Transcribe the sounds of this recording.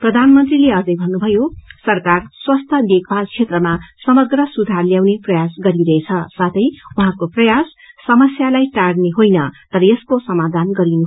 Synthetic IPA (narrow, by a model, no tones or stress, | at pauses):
prʌd̪ʱanmʌnt̪rileʌd͡zʌ̃jbʱʌnːubʱʌjosʌrkarswʌst̪ʰʌd̪ekʰbalt͡sʰet̪rʌmasʌmʌɡrʌsud̪ʱarljawneprʌjasɡʌɾiɾʌɦet͡sʰʌsat̪ʰʌjuɦãkoprʌjasː | ʌmʌsjalajʈarɖneɦojnʌt̪ʌɾʌjeskosʌmad̪ʱanɡʌɾinu